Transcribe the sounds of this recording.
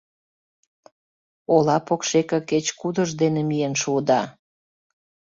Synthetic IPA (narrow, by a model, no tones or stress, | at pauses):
olɑpokʃekə̆ket͡ɕkud̪əʒd̪enemijenʃuəd̪ɑ